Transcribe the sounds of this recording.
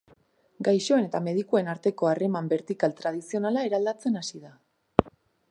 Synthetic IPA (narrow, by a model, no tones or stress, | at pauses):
ɡajʃo̞ene̞t̪ame̞ð̞ikue̞naɾt̪e̞ko̞are̞mambe̞ɾt̪ikalt̪ɾað̞isio̞nalae̞ɾald̪at͡se̞nasiða